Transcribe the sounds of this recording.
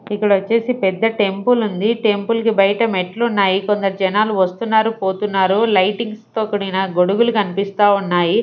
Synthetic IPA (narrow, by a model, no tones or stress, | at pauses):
ikːɐɽɐʋɐt͡ʃːe̞ːsipɛd̪ːɐʈe̞mpulund̪iʈe̞mpulkibɐjɐʈɐmeʈlunːaːjikond̪ɐɾɐd͡ʒɐnaːluʋɐst̪unːaːɾupo̞ːt̪unːaːɾulɐjʈiŋɡst̪oːkɐɽinɐɡo̞ɽuɡulukɐnipist̪aːunːaːji